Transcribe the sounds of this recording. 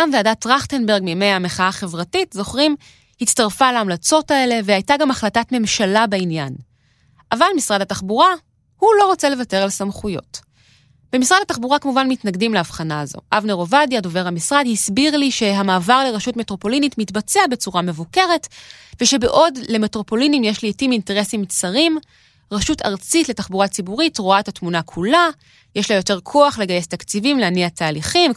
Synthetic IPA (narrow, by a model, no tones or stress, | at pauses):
amveadatʁaχte̞nbe̞ʁɡ̚mime̞jhameχaaχe̞vʁatitzo̞χʁim | hit͡staʁfalaːmlat͡so̞tae̞le̞vehajtaɡamaχlatatme̞mʃalabainja̰n | ʔavalmisʁadhataχbuʁa | hulo̞ʁot͡sele̞vate̞ʁalsamχujo̞̰t | b̥emisʁadhataχbuʁakamuvanmitnaɡdimleːvχanaːzo̞̰ʔavneʁo̞vadjado̞ve̞ʁhamisʁadhisbiʁliʃe̞ɦamaːvaʁleʁaʃutme̞tʁo̞po̞linitmitbat͡seabe̞t͡suʁame̞vuke̞ʁe̞tveʃe̞be̞ʔo̞dle̞metʁo̞po̞linimjeʃlitiminteʁe̞simt͡saʁim | ʁaʃutʰa̰ʁt͡sitle̞taχbuʁat͡sibuʁitʁoaetatmunakʰula | jeʃlajote̞ʁkʰo̞aχle̞ɡaje̞stakt͡sivimleaniatʰaːliχim